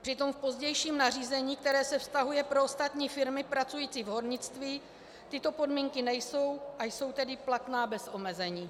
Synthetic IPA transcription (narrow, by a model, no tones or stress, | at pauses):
pr̥ɪt̪o̞mfpo̞zɟɛjʃiːmnariːzɛɲiːk̚t̪ɛɾɛːsɛfst̪aɦujɛpɾoost̪at̪ɲiːfɪɾmɪpɾat͡sujiːt͡siːvɦo̞ɾɲɪt͡st̪viː | t̪ɪt̪o̞po̞dmiːŋkɪnɛjso̞wʔajso̞wt̪ɛdɪplat̪naːbɛsʔo̞mɛzɛɲiː